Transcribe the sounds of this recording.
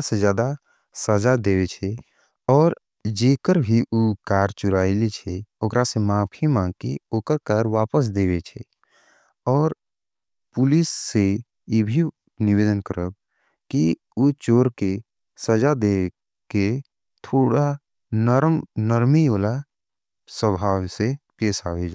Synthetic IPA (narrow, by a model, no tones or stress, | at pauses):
sed͡ʒjaːd̪a | səd͡ʒad̪eːʋet͡ʃʰɛ | ɔːɾ | d͡ʒeːkəɾbʱiʔukaːɾt͡ʃʊɾaːilet͡ʃʰeoːkɾasemãːpʰimãːɡkeoːkəɾkaːɾʋaːpəs̬d̪eːʋet͡ʃʰe | ɔːɾ | pʊlisːe | jebʱi | nɪʋeːd̪ənkəɾəb̚ | ki | ut͡ʃoːɾke | səd͡ʒad̪eː | ke | t̪ʰoːɽa | nəɾmnəɾmioːla | səbʱaːwsepeːsa̰ːʋed͡ʒaː